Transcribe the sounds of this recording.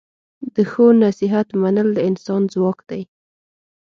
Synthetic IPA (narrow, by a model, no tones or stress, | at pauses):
d̪əxonasɪɦat̪manəld̪əɪnsɑnzwɑkd̪̥aj